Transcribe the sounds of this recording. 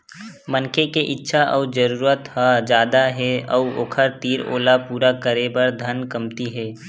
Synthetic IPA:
mənkʰekeʔɪtːʃʰaʔɔ̰ːd͡ʒəɾuːɾət̪had͡ʒjaːd̪aɦɛɔʊo̰ːkʰəɾt̪iːɾo̰ːlapuːɾakəɾebɐɾd̪ʱənkɐmt̪iɦɛː

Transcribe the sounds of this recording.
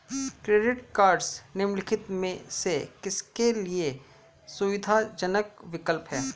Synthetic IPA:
kɾeːɖɪʈkaːɾɖsnɪmlɪkʰɪt̪mẽsekɪskelie | sʊʋɪd̪ʱad͡ʒənəkʋɪkəlpɦɛː

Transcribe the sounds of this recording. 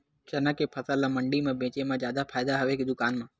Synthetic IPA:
t͡ʃənəkepʰəsəlãmə̃ɳɖimãːbẽːt͡ʃemãzjaːd̪apʰaːɪd̪aɦɐʋekid̪ʊkaːnmãː

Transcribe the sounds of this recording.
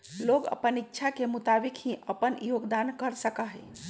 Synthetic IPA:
loɡə̰pənitːʃʰakemut̪abikɦĩəpənjoɡd̪ankəɾsəkaɦɛ

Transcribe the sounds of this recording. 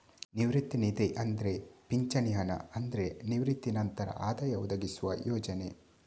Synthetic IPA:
niʋɾit̪ːinid̪eʔɐnd̪ɐɾe̞piɲt͡ʃɐnijɐnɐ̰ɐnd̪ɐɾe̞niʋɾit̪ːinɐnt̪ɐɾɐ̰ʔaːd̪ɐjɐud̪ɐɡisuʋɐ̰jɔːd͡ʒɐne̞̰

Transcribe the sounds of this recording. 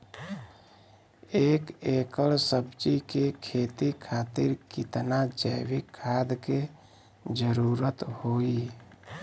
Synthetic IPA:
eːkekəlsəbt͡ʃikekʰet̪ikʰaːt̪iɾkɪt̪nad͡ʒəjwikʰːaːd̪ke | d͡ʒəɾuɾət̪hoi

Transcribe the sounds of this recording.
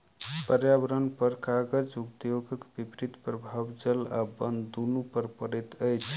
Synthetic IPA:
pəɾjabəɾənpəɾkaɡəɾd͡ʒukt̪joɡəkbipɾit̪pɾəbʱabd͡ʒəlabənd̪d̪unupəɾpəɾɛt̪əjt͡ʃʰ

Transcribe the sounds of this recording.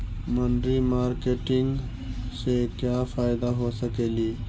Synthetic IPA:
mənɖɾimaːɾkeːʈɪ̃ŋɡ | sekjaːfaːɪd̪aɦoːsəkeːliː

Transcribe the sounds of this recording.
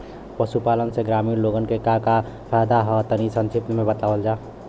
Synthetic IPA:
pəsupaːlənseɡɾaːmiːɾloɡənkekaka | pʰɛjd̪aɦɔt̪ənisə̃nt͡ʃʰipnmẽbət̪aːwəld͡ʒaː

